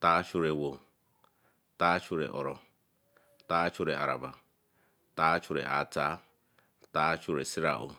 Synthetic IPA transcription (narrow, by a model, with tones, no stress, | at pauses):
t̪a˦t͡ʃu˧ɾɛ˨wo˨ | t̪a˦t͡ʃu˦ɾɛ̰˨ʔɔ˨ɾɔ˨ | t̪a˦t͡ʃʰu˧ɾɛ˨ʔa˨ɾa̰˨ba˨ | t̪a˦t͡ʃʰu˧ɾɛ̰˨ʔa̰˨t͡sa˦ | t̪a˦t͡ʃʰu˧ɾɛ˨si˦ɾa̰ʔṵ˨